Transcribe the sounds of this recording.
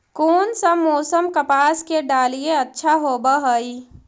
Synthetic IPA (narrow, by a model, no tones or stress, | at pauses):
koːnsəmoːsəmkəpaːskeɖaːlieətːʃʰaɦoːbəɦəi